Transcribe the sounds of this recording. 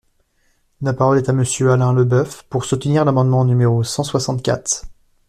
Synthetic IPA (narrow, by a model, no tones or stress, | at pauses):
lapaʁɔlɛt̪aməsjøalɛ̃ləbœfpuʁsut̪niʁlamɑ̃d̪mɑ̃nymeʁosɑ̃swasɑ̃t̪̚kʲa̰t̪χ